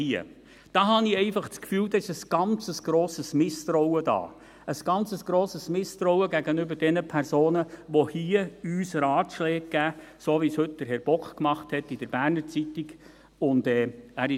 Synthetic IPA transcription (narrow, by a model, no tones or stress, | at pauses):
hiə̰ | d̥ɑːhɑniɛɪfɑχt͡skfyːld̥̪ɑɪʃəsɡ̥ɑnt͡səsɡ̥ɾoːsəsmɪst̪ɾɔʊwədɑ̰ː | ʔəsɡ̥ɑnt͡səsɡ̥ɾoːsəsmɪst̪ɾɔwəɡæɡənʏbəɾd̥ɛnəpʰæɾsoːnəʋohiəyːsɾɑːtʃlɛːk̚ɡ̥æːsoːʋishɵt̚d̥əɾɦɛɾb̥ɔkχkmɑχthɛtːid̥əɾb̥æːrnəɾt͡sit̪iɡ | ʊndɛːæːɾɪ